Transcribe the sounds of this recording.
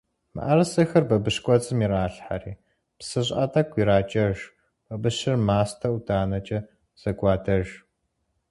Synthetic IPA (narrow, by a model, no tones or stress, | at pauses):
mɨ̰ʔɐrsɨxɐrbɐbɨʂkʷʼɔt͡sʼɨmiraːɬħariː | psɨɕ̬ʼɐtʼɐkʷʰiɾaːt͡ʃʼɐʒ | b̥ɐbɨɕɪrmaːstʰɐwdʰaːnɐt͡ʃʼɐ | z̥ɐɡʷɑːdʰɐʒ